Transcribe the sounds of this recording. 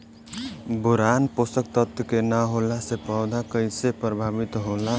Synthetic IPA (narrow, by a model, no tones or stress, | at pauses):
buɾanposək̚t̪ət̪kenəɦolasepəwd̪ʱakəjsepɾəbʱabit̪ɦola